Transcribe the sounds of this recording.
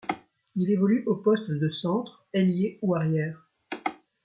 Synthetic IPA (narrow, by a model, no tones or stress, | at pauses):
ilevɔlyʔopɔst̪d̪əsɑ̃t̪χ | eljeuaʁjɛːʁ